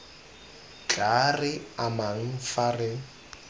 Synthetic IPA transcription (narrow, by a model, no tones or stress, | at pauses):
t͡ɬʼarɪamaŋ̩farɪ